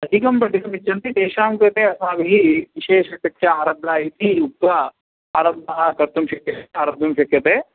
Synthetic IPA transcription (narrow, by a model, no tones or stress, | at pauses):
ɐd̪ʱikɐmpɾɐʈ̪ikɐmit͡ʃːɐnt̪id̪eːʃaːmkɐt̪eɐsmaːʋiɦiʋiʃeːʂɐpɐkʂɐaːɾɐblaːjit̪iut̪ʋɐ | aːɾɐbaːɐkɐɾt̪umʃɐkjɐt̪aːɾɐb̪ʱjɐmʃɐkjɐt̪e